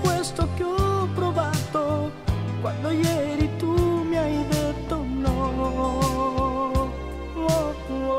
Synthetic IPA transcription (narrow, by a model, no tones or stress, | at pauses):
kwest̪okeɔpːɾovaːt̪o | kwand̪ojɛɾit̪umiajd̪et̪ːonːɔ | ɔ